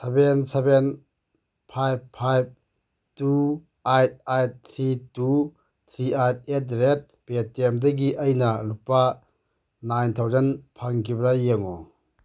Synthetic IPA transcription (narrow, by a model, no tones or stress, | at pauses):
sebenseben | pʰajbpʰajb̚ | tu | ajt̚ajt̚t̪ʰɾitu | t̪ʰɾiajt̚et̚ɾet̚petemdaɡiʔɐjnɐlupːa | najnt̪ʰawzɐnpʰaŋkibɾajeŋɔ̰